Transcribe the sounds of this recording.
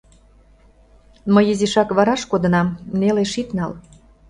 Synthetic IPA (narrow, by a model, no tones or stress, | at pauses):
məjiziʃɑkβɑɾɑʃkod̪ə̆nɑmneleʃit̪nɑl